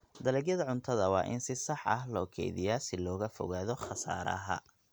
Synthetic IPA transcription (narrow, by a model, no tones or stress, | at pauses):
d̪ɐlɛːɡjɐðɐʕʊnt̪ʰɐðɐwɑ̰ːʔɪnsɪsɑħɐɦlɔːkʰɛ̰jðɪ̰jaːsɪlɔːɣɐfɔ̰ɣaːðɔχɑsa̰ːɾɐ̰ɦɐ̰